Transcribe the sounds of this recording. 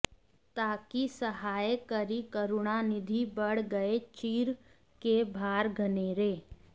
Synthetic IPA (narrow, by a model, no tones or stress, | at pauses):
t̪aːkisəɦaːjkəɾikəɾʊɽanɪd̪ʱibəɽ̤ɡəet͡ʃiːɾ | kebʱaːɾɡʱəneːɾeː